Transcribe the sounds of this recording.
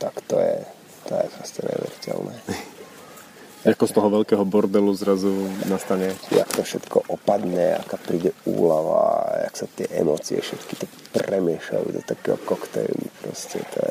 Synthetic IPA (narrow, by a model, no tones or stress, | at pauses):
t̪akt̪ɔjɛ | t̪ɔjɛpɾɔscɛɲɛ̰ʋɛɾicɛ̰lnɛː | akɔst̪ɔɦɔʋɛlkɛːɦɔbɔɾd̪ɛluzɾazunast̪aɲɛjakt̪ɔfʃɛt̪kʰɔʔɔpad̪ɲɛakaːpɾiːɟɛuːlaʋaaksat̪ɪɛʔɛmɔːt͡siɛʃɛt̪ki̥t̪ɔ | prɛmɪɛʃla̰jṵd̪ɔt̪akɛːɦɔkɔkt̪ɛjṵnupɾɔscɛ̰t̪ʰɔɛ̰